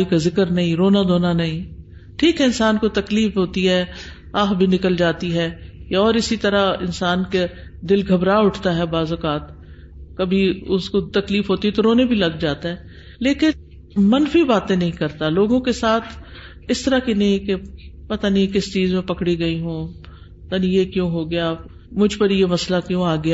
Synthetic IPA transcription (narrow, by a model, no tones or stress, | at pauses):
ikazɪkəɾnɐɦĩɾoːnad̪oːnanɐɦĩː | ʈʰiːkɦɛɪnsaːnkot̪ɐkliːfɦoːt̪iɦɛː | aːɦbʱinɪkəld͡ʒaːt̪iɦɛːjaɔːɾɪsit̪ɐɾaɪ̰nsaːnked̪ɪlɡʱɐbɾaːʊʈʰt̪aɦɛbaːzʊkaːt̪ | kɐbʱiʊskot̪ɐkliːfɦoːt̪iɦɛt̪oɾoːnebʱilɐɡd͡ʒaːt̪aɦɛː | leːkɪn | mɐnfibaːt̪ẽnɐɦĩkɐɾt̪aloːɡõkesaːt̪ʰ | ɪst̪əɾakinɐɦĩkepɐt̪anĩkɪst͡ʃiːzmẽpɐkɽiɡɐiɦũː | pɐt̪anĩjekjõːɦoɡɪjaː | mʊd͡ʒʱpəɾjemɐslakjõaːɡɪjaː